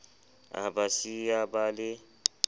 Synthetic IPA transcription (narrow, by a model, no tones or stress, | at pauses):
a̰basiabalɪ